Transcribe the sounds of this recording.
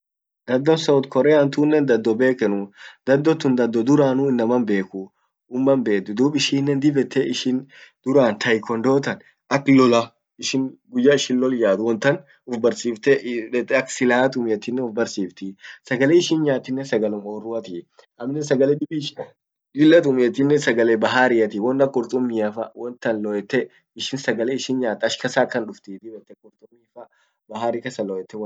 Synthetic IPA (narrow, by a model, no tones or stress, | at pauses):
d̪ɐd̪ːɔnsɔːt̪kʰɔɾɛːɐnt̪uːnːɛnd̪ɐd̪ːɔbe̞ːkɛnʊd̪ɐd̪ːɔt̪ːʊnd̪ɐd̪ːɔd̪ʊɾaːnuːɪnːɐmɐnbe̞ːkʊ | ʊmːɐnbe̞ːkd̪ʊd̪uːbɪʃiːnːɛnd̪ɪbɛt̪ʰːeʔɪʃɪnd̪̥ʊɾaːnt̪ʰɐjkɔnd̪o̞ːt̪ɐn | ʔɐkːlɔla | ɪʃɪŋɡʊjːaɪʃɪnlɔljaːd̪ʊwɔnt̪ːɐn | ʊfbɐɾsiːft̪ɛt̪ɐkːsɪlaːt̪ʊmeːt̪ɪnːɛʊfbɐɾsiːft̪ɪsɐɡɐleːɪʃɪnɲaːt̪ːɪnːɛsɐɡɐlʊmoːrːʊɐt̪ɪ | ʔɐmnːɛs̬ɐɡɐleːd̪ʊbiʃ | lɪlːɐt̪ʊmeːt̪ɪnːɛsɐɡɐlebɐɦaːɾɪɐt̪ɪwɔnːɐkʼʊɾt̪ʼʊmːiɐfɐwɔnt̪ɐnlɔʔɛt̪ːɛ | ɪʃɪnsɐɡɐleːɪʃɪnɲaːt̪ɐʃkɐsaːkɐnᶑʊft̪it̪ɪbɛt̪ːɛkʼʊɾt̪ʼʊmːiːfɐ | bɐɦaːɾikɐsɐlɔjɛt̪ːɛ